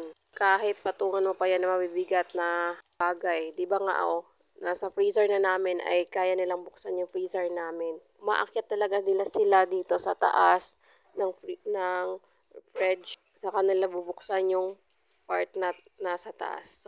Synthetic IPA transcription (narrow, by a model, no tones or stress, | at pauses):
n | kaːɦɪt̪̚pɐt̪uːŋɐnmopɐjanːɐmɐbibɪɡat̪̚nɐbaːɡajd̪ɪbaŋa̰ʔo | nasɐfɾiːsɛɹnɐnaːmɪnʔɐ̰jkaːjanɪlaŋbʊksanjʊŋfɹiːsɛɹnaːmɪn | mɐ̰ʔɐkjat̪ːɐlɐɡanɪlasɪlad̪iːt̪o̞sɐt̪ɐ̰ʔas | nɐŋfnɐŋ | fɹɛd͡ʒ | sɐkɐnɪlabubʊksanjʊŋ | paɹt̪̚nɐnɐsɐt̪ɐ̰ʔa̰s